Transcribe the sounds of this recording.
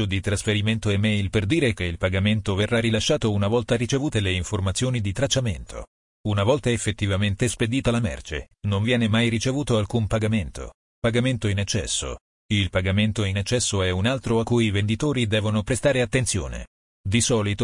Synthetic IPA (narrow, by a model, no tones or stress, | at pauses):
od̪it̪ɾasfeɾiment̪oɛmɛjlperd̪iːɾek̟eilpaɡament̪overːarilaʃːaːt̪ounavɔlt̪aɾit͡ʃevuːt̪eleiɱformat̪sːjoːnid̪it̪ɾat͡ʃːament̪ʰo̰ | unavɔlt̪aefːet̪ːivament̪esped̪iːt̪alamɛ̰rt͡ʃḛnoɱvjɛːnemajrit͡ʃevuːt̪oalkumpaɡament̪ʰo̰ | paɡament̪oinɛt͡ʃːɛ̰sːo̰ | ilpaɡament̪oinɛt͡ʃːɛsːoɛunalt̪ɾoakːujivend̪it̪oːɾid̪ɛːvonopɾest̪aːɾeat̪ːent̪sjo̰ːnḛ | d̪isɔːlit̪o